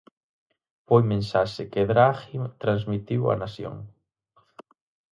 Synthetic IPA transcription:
pojmẽnsaʃɪkeðɾaɣimt̪ɾanzmit̪iwɐ̰nasjo̰ŋ

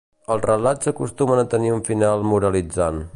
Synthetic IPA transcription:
əlˠrəlazəkust̪umənət̪əniuɱfinalˠmuɾəlid͡zan

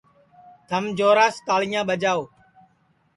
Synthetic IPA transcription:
t̪ʰəmd͡ʒoːɾaːskaːɭɪjãːɓəd͡ʒaːoː

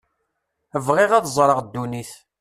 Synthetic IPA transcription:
əvʁeʁæðzˤɾˤəʁd̪ːuniθ

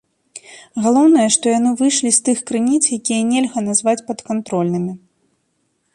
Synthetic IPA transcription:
ɣalˠɔwnɐjɐʂt̪ɔjanɨvɨjʂlʲist̪ɨxkɾɨnʲit̪sjakʲijɐnʲɛlʲɣɐnazvat͡sʲpɐt̪kant̪ɾɔlʲnɨmʲi

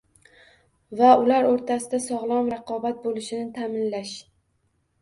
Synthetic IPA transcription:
vaʊlaɾoɾt̪ʰasɪd̪asɒʁlˠɒmɾɑqʰɒbat̪̚bolɪʃɪnɪt̪ʰamɪnlaʃ

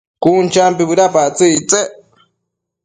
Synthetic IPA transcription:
kunt͡ʃampiβɨɾapat͡sɨt͡se

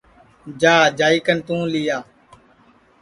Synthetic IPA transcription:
d͡ʒaːd͡ʒaːiːkənt̪ũːlɪjaː

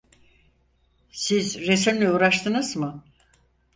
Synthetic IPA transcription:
sizɾesimlʲɛuːɾaʃt̪ʰɯnɯz̥mɯ

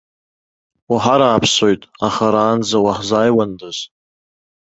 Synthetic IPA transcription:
waħaɾaːpʰso̞jtʼaχaɾaːnd͡zawaħzaːjwandaz̥

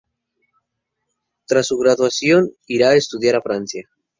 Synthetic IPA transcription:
t̪ɾasːuɣɾaðwasjon | iɾaest̪uðjaɾafɾansja

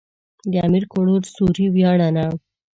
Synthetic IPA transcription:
d̪əamiɾkoɽoɾsuɾiwjɑɽana

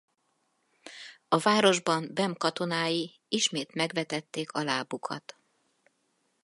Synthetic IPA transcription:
ɒvaːɾo̞ʒbɒmbɛmkɒt̪o̞naːji | iʃmeːt̪mɛɡʋɛt̪ɛt̪ːeːkʰɒlaːbukʰɒ̰t̪

